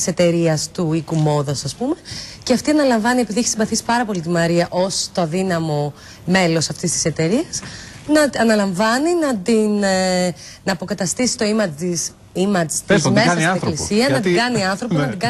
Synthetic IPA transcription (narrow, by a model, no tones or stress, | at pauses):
se̞t̪e̞ɾiɐst̪uikumo̞ðosɐspume̞ceɐft̪iɐnɐlɐɱvɐnie̞piðiçɐ̥simbɐθisi̥pɐɾɐpo̞lit̪imɐɾiɐʔo̞st̪oɐðinɐmo̞ | me̞lo̞sɐft̪ist̪i̥se̞t̪e̞ɾiɐsnɐɐnɐlɐɱvɐninɐt̪in | nɐːpo̞kɐt̪ɐst̪isi̥t̪o̞imɐis | imɐt͡st̪izmesɐsieklisiɐnɐt̪iɡɐniɐnθɾo̞ponɐt̪iɡɐ